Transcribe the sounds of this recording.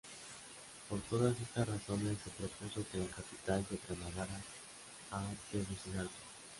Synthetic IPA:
po̞ɾt̪oðasest̪asraθo̞nesːepɾopusokelakapit̪alset̪ɾemaɣaɾa | aeβusinaɾse

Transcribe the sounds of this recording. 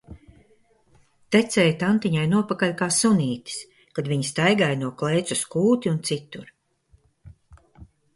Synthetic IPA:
t̪ɛt̪sɛːjt̪ant̪iɲajnuɔpakalʲkaːsunʲiːt̪i̥s | kad̪viɲist̪ajɡaːjnuɔklˠɛjt̪suskuːt̪ʲiunt̪sit̪ːuɾ

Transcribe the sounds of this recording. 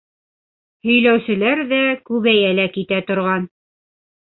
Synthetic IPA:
hɵ̆jlæwsɘ̆læɾðækʉβæjælækit̪æt̪ŏɾʁɑn

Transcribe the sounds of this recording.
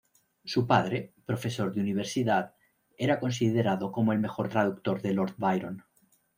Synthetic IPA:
supað̞ɾepɾo̞fe̞so̞ɾðeuniβ̞e̞ɾsiðað | eɾako̞nsiðeɾaðoko̞moe̞lme̞xo̞ɾt̪ɾaðuk̚t̪o̞ɾðelo̞ɾt̪̚bajɾon

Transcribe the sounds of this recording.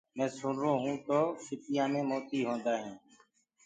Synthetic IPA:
mɛ̃ːsʊnɾõːɦũːt̪oːsɪp̪ɪjãːmẽːmoːt̪iːɦõːnd̪aːɦĩː

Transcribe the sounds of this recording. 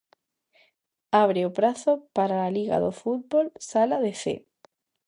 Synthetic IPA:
aβ̞ɾeopɾaθopaɾaːliɣa̰ðofut̪̚bolsalaðeθḛ

